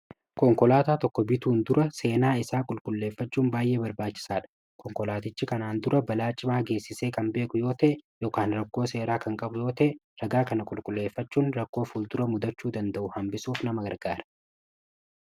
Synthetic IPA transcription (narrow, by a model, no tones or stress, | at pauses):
kɔŋkɔlaːt̪aːt̪ɔkːɔbɪt̪uːnd̪ʊɾʔɐse̞ːnaːɪsaːkʼʊlkʼʊlːe̞ːfːɐt͡ʃːuːnbaːjʔe̞ːbɐɾbaːt͡ʃːɪ̥saːᶑɐ̥ | kʰɔŋkɔlaːt̪ɪt͡ʃːɪkɐnaːnd̪ʊɾʔɐbɐlaːt͡ʃʼːɪmaːɡe̞ːsːɪseːkɐmbe̞ːkʼʊjo̞ːt̪ɐʔɛjo̞ːkaːnɾɐkːo̞ːse̞ːɾaːkɐŋkʼɐbʊjo̞ːt̪ɐʔɛ | ɾɐɡaːkɐnɐkʼʊlkʼʊlːe̞ːfːɐt͡ʃːuːnɾɐkːo̞ːfuːld̪ʊɾɐmʊd̪ɐt͡ʃːuːd̪ɐnd̪ɐʔʊhɐmbɪsuːfnɐmɐɡɐɾɡaːɾɐ̥